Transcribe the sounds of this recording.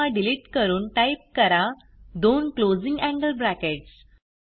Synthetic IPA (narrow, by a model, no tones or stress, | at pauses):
aɖiliʈkəɾuːnʈajp̚kəɾa | d̪onklod͡zĩŋɡæ̃ŋɡəlbɾækeʈs